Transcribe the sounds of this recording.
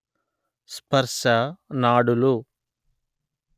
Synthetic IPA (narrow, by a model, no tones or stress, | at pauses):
spɐɾʂɐnaːɽulu